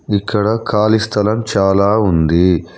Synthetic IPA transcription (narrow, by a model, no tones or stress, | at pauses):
ikʰːɐɽɐkʰaːlist̪ʰɐlɐmt͡ʃaːlaːund̪i